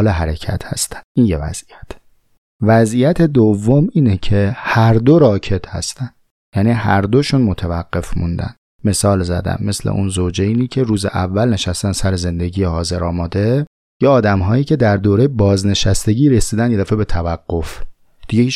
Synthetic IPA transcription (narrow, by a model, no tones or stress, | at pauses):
leɦæɾecʰæ̰t̪hæst̪æ̥nd̪̥ʔiːnjevæ̰z̥ijæt̪ʰ | væzʔijæt̪ʰe̞d̪ovːomiːnecʰe̞hæɾd̪o̞ɾɒːcʰe̞t̪ʰhæ̰st̪ænd̪̥ | jæniːɦæɾd̪oʃunmot̪ʰævæɡɢ̥ːe̞fmund̪æ̰n | me̞sɒːlzæ̰d̪æ̰nme̞slḛʔunzoːd͡ʒejniːcʰe̞ɾuːzḛʔævːælne̞ʃæst̪ænsæɾeze̞nd̪e̞ɟiːjehɒːze̞ɾɒːmɒːd̪e̞ | jeɒːd̪æmɦɒːjiːcʰe̞d̪æɾd̪oːɾejebɒːzne̞ʃæst̪e̞ɟiːɾesiːd̪ænd̪je̞d̪æːfebe̞t̪ʰævæɡːo̞f | d̪̥iɟe